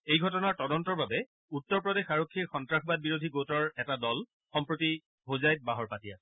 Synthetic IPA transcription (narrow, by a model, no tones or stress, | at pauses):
ejɡʱɔtɔnaɹtɔdɔntɔɹbabɛ | utːɔɹpɹɔdexaɹokʰːiɹxɔntɹaxbad̚biɹodʱiɡotɔɹɛtadɔl | xɔmpɹoti | ɦozajt̚baɦɔɹpatija